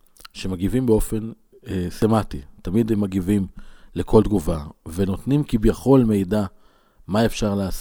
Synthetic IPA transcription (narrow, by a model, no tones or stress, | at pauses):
ʃemaɡivimbeo̞fe̞n | esematit̪amid̪emːaɡivimlekʰo̞ld̪̚ɡuvave̞no̞t̪nimkibjaχo̞lme̞jda | mae̞fʃaʁlaːs